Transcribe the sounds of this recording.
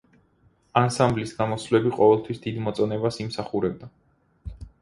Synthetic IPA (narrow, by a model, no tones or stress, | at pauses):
ansamblisɡamɔslɛbiqʼɔvɛlˠt̪ʰwisd̪id̪mɔt̪sʼɔnɛbasimsaχuɾɛb̚d̪a